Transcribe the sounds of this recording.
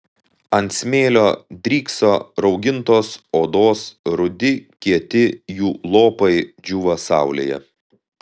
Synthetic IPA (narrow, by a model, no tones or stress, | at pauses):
ɐnʲt̪ʲsʲmʲeːlʲoːd̪ʲɾʲiːksoːɾɒʊɡʲɪnt̪oːsoːd̪oːsɾʊd̪ʲɪkʲiɛt̪ʲɪjuːlˠoːpɐɪd͡ʒʲʊːʋɐsɑˑʊlʲḛːjɛ̰